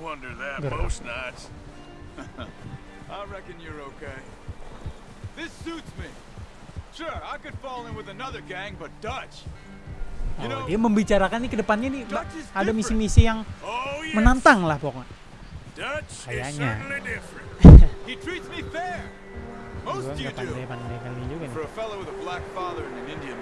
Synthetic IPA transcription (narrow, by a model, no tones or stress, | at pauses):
wʌ̃ndə˞ðæt̚ɡəɾo̰snat͡ʃ | aɪɹɛkɨ̃njə˞oʊkʰeɪ | ðɪsutsmi | ʃʊɹaɪkɨd̥fɔlˠɪ̃nwɨðənʌðə˞ɡæ̃ŋbʌt̚d̥ʌt͡ʃ | ondiaməmbit͡ʃaɾakanːikədəpanɲanizadamisimisijaŋomənant̪aŋlahbɔkŋa | d̥ʌt͡ʃkajaɲalidɪfɹɨ̃nhitʰɹ̥itsmifɛɹ | mosaɡapandapandakalid͡ʒuɡanfəəfɛlˠowɪðəblækfɑðə˞ɨ̃nɨ̃nɪ̃ndiɨ̃n